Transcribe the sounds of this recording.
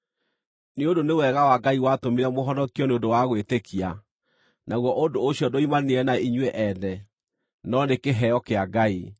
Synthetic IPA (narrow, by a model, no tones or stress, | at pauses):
neodonewɛɣawaɡaiwatomiɾɛmoɦɔnɔkiɔneondowaɣwetekʰia | naɣwɔʔondoːɕjɔdoimaneɾɛnaiɲwɛʔɛnɛ | nɔnekeɦɛɔkeaɡai